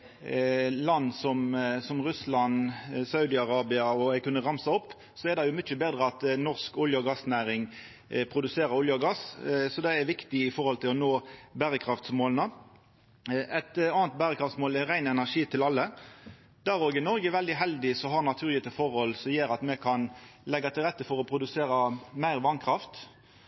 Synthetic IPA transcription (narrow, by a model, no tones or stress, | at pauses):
lɑnːsɔmsɔmʁʉslɑnsɑʉd̪ɪɑʁɑːbɪɑɔɛkʉnːəʁɑmsɑɔpː | sɔɛd̪ɑjʊmʏt͡ʃːəbeːd̪ʁəɑt̪nɔʁskʊljəɡɑsnæːɾɪŋ | pʰɾʊd̪ʉseːɾəɾʊljəɔɡɑssɔd̪ɛɛɾʋɪkt̪ɪɪfɔʁhɔlt̪ʰɪlɔnoːbæːʁəkʰɾɑft̪smoːlnə | ɛt̪ɑːnt̪̚bæːɾəkʰɾɑft̪smoːlɛʁæɪnɛnæʂiːt̪ʰɪlɑlːə | d̪æɾoːɡɪnɔɾɡəʋɛld̪ɪɦɛld̪ɪsɔɦɑɾnɑt̪ʰʉːʁlɪət̪əfɔʁɔlsɔmjeːɾɑt̪mɛkʰɑnlɛɡːɑt̪ʰɪlʁɛt̪ːəfɔɾɔpʰɾʊd̪ʉseːɾɑmæɪʁʋɑnkʰɾɑft̪